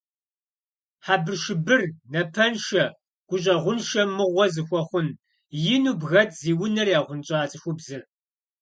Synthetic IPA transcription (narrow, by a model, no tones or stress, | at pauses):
ħaːbɨrʃɪbɨrnɐpʰɐnʃɐ | ɡ̥ʷʊɕ̬ʼɐʁʷʊnʃɐmɨʁʷɔzɨxʷɔχʷʊn | jɪnuːbɣɐtʰziːwʊnɐrjaːʁʷʊnt͡ʃʼaːt͡sʼɨxʷʊbzɨr